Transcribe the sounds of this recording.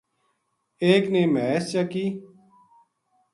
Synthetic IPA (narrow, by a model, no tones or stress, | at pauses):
eːkneːmɛːst͡ɕakiː